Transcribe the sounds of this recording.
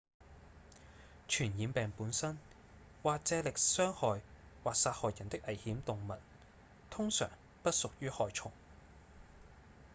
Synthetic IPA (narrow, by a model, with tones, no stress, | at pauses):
t͡ʃʰyː˨˩njiː˨˧mpɛː˨ŋpuː˨˥nsɐ˥n | waː˨k̚t͡sɛː˨˧lɪ˨k̚sœː˥ŋhɔː˨j | waː˨k̚saː˧t̚hɔː˨jɐ˨˩nt̪ɪ˥k̚ʔɐ˨˩jhiː˨˥mt̪ʊ˨ŋmɐ˨t̚ | t̪ʰʊ˥ŋsœ̰ː˨˩ŋ | pɐ˥t̚sʊ˨k̚jyː˥hɔː˨jt͡sʰʊ˨˩ŋ